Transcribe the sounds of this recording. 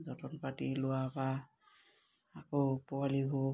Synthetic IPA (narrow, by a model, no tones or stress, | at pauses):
zɔtʰɔnpatilʊwaba | kopɔwaliɦo